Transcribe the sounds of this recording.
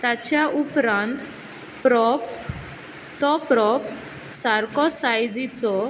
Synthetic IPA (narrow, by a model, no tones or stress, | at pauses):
t̪at͡ɕjaʔupɾãnt̪ | pɾɔp | t̪ɔpɾɔp | saɾkɔsajd͡zit͡sɔ